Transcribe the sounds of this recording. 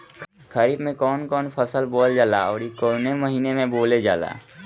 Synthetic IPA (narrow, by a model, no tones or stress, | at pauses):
kʰəɾiːbmẽkɔːnkɔːnpʰəsəlboːld͡ʒaːlaɔːɾikoːneməɦiːnemẽboːled͡ʒa̰ːla̰ː